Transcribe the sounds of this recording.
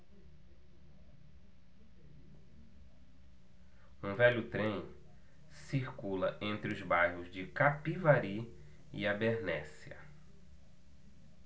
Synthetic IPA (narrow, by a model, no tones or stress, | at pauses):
ũvɛʎʊt̪ɾẽj̃ | siɾkulɐʔẽnt̪ɾɪʊzbajɦʊzd͡ʒɪkapivaɾi | ḭabeɾnɛsiɐ̰